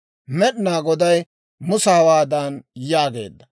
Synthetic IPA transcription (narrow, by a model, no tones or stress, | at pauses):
mɛɗɪnaːɡɔd̪ɐj | mʊsɐhɐwaːd̪aːnjaːɡe̞̰ːd̪ːɐ